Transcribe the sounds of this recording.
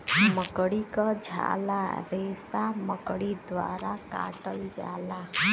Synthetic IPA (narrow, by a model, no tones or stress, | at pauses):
məkɽikəd͡ʒʱa̰laɾesaməkɽid̪ʋa̰ɾaka̰ʈəld͡ʒa̰la